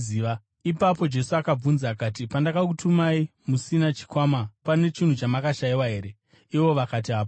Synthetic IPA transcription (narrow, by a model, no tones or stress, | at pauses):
iːa | ipapo̞d͡ʒe̞suakab͡vunzaːkaːtipandakak̬utʰumaimusinat͡ʃi̥kwamapane̞t͡ʃin̤ut͡ʃamakaʃaiwaɦe̞ːɾe̞ | iʋo̞ʋakat̬iɦaːpo